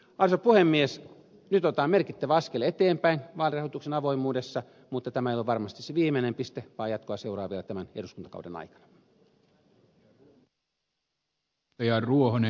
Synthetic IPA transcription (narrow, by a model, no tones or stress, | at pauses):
ɑrsopuhemːies | nyt̪ot̪ɑːmerkit̪ːæʋæɑskelːet̪eːmpæinʋɑːlirɑhoˑit̪uksenɑʋoimuːdesːɑ | mut̪ːɑt̪æmæejoloʋɑrmɑst̪iseʋiːmenempist̪eʋɑːjɑt̪koɑseurɑ̰ːʋielæt̪æmæneduskunt̪ɑkɑ̰udḛnɑ̰ikɑ̥nɑ̥ | jɑruohone